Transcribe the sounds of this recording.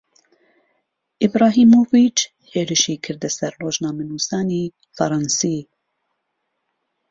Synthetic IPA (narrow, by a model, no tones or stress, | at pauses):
ʔibɾɑːɦiːmoːvit͡ʃ | heːɾɨʃiːkʰɨɾd̪ɛsɛɾroːʒnɑːmɛnuːsɑːniː | fɑ̰ɾˤɑnsiː